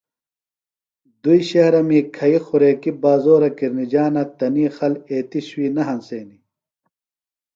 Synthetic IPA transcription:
d̪uiɕɐhɾɐmiːkʰɐixuɾeːkibaːzoːɾɐkiɾnid͡ʑaːnɐt̪ɐniːxɐleːt̪iɕwiːnɐɦɐnseːni

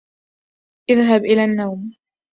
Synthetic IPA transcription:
ʔɪðɦabʔɪlaːnːawm

